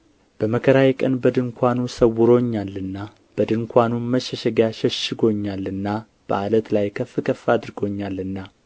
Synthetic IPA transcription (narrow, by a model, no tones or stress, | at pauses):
b̥əməkʰəɾajkʼənbəd̪ɨŋkʰʷanusəwːʊɾo̞ɲːalːɨnːa | b̥əd̪ɨŋkʰʷanunməʃɛʃɛɡaʃɛʃɪɡo̞ɲːalːɨnːa | b̥ə̰ʔalət̪lajkʰəfːɨkʰəfːad̪ɾɨɡo̞ɲːalːɨnːa